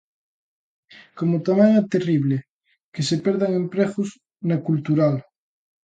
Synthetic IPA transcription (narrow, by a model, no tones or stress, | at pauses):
komot̪amãŋat̪eriβle | kesepeɾðaŋẽmpɾeɣus | nakult̪uɾal